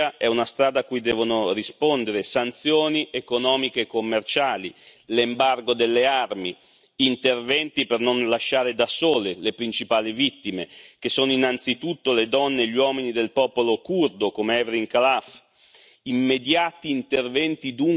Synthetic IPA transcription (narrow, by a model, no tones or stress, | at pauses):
aɛunast̪ɾaːd̪akːujd̪ɛːvonorispond̪eɾesant̪sjoːniʔekonɔːmikeːkːomːert͡ʃaːlḭlembarɡod̪elːearmi | int̪ervɛnt̪ipernonlaʃːaːɾed̪asoːlelepɾint͡ʃipaːlivit̪ːimek̟esoːnoinant̪sit̪ut̪ːoled̪ɔnːeʎiwɔːminid̪elpɔːpolokurd̪okomeɛvɾiŋkalaf | imːed̪jaːt̪iːnt̪ervɛnt̪id̪uŋ